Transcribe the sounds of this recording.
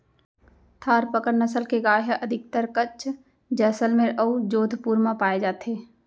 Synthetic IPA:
t̪ʰaːɾpəkəɾnəsəlkeɡaːɦəʔəd̪ʱɪk̚t̪əɾkət͡ʃʰ | d͡ʒɛːsəlmẽʔəud͡ʒoːd̪ʱpuːɾmãpaːed͡ʒaːt̪ɦeː

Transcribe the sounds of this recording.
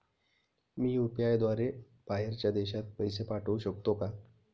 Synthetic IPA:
miːjupijajd̪ʋaɾe | b̥aɦeɾt͡ɕjad̪eɕat̪̚pəjsepaʈʰəuɕəkt̪oka

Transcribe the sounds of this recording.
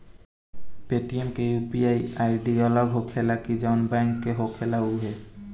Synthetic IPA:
petiemkejupiajajɖiɔlɔɡɦokʰɛlakizawnbaŋkːɛɦokʰɛlauɦɛ

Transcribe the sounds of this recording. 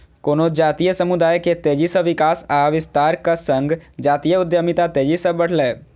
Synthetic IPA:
koːnod͡ʒaːt̪ijəsəmʊd̪aːjket̪eːd͡ʒisəʋɪkaːsaːʋɪst̪aːɾkasə̃ŋɡd͡ʒaːt̪ijəʊd̪jəmit̪at̪eːd͡ʒisəbəɽ̤lɛː

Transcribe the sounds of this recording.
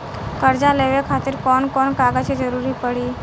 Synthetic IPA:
kəɾd͡ʒaleʋekʰat̪iɾkɔːnkɔnkaɡat͡ʃʰed͡ʒəɾuɾipəɽi

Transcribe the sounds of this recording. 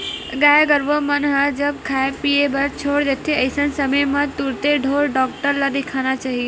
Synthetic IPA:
ɡaːjɡəɾʋomɐnɦad͡ʒɐb̚kʰaːepiːebɐɾt͡ʃʰoːɽd͡ʒ̪et̪ʰːeɐɪsənsɐməjmɐ̃t̪uɾt̪eɖʱoːɾɖɔːk̚ʈəɾlad̪ɪkʰaːñat͡ʃaːɦie

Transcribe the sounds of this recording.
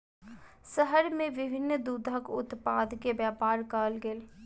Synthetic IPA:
səɦəɾmẽʋɪbʱɪnːd̪uːd̪ʱəkʊ̰t̪paːd̪kebjaːpaːɾkaːlɡeːl

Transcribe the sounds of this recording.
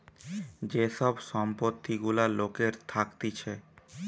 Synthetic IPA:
d͡ʑeʃɔbʃɔmpot̪ʰːiɡulalokeɾt̪ʰakt̪it͡ɕʰe

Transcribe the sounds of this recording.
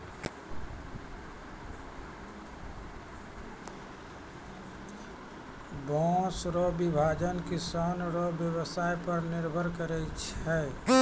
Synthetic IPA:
bɔ̃ːsɾɔbɪbʱaːd͡ʒənkisanɾɔbjəwəsaːipəɾnɪɾbʱəɾkəɾɛt͡ʃʰɛː

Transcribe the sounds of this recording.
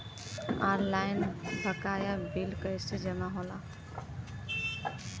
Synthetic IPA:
a̰ɾlajnbʱəkajabilkəjsed͡ʒəmaɦola

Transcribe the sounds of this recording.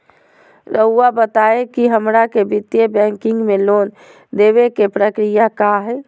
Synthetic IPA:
ɾəuabət̪aekiɦəmɾakebit̪jebɛ̃ŋkiŋɡmelon | d̪eβekepɾəkɾijakaɦɛ

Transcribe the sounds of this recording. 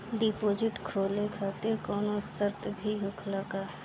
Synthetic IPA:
ɖipoːzɪʈkʰoːlekʰaːt̪ɪɾkɔːnosəɾt̪bʱiɦʊkʰlaka

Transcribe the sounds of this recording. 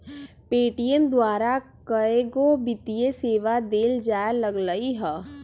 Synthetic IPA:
peːʈijemd̪waːɾa | kəeɡobɪt̪ijeseːʋad̪eːld͡ʒaːjaləɡləiɦɛː

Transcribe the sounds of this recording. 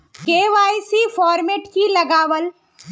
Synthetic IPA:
keːʋaːisifɔːɾmeːʈkilɐɡaːʋəl

